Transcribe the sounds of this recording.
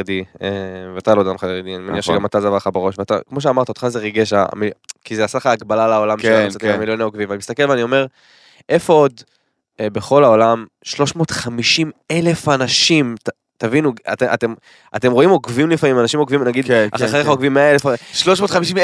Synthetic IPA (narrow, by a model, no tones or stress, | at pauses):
d̪ieveat̪alod̪amχajeʁid̪ianimaniaχʃeɡamat̪azavaʁχabeʁo̞ʃveat̪a̰kmo̞ʃ̬eamaʁt̪aod̥χazeʁiɡeʃa̰mikizeasaleχaːɡbalalaolameat͡sat̪iamiljo̞naoɡvimvanimist̪ake̞lveanio̞me̞ʁ | ʔe̞fo̞od̪ | be̞χo̞lao̞lam | ʃlo̞ʃmo̞ːt̪χamiʃime̞le̞fanaʃimta | tavinua̰t̪eʔa̰tem | ate̞mʁo̞imo̞kvimlifamimanaʃimo̞ɡvimnaɡid̪aaeχaoɡvimːeaelefaʃloʃmotχamiʃim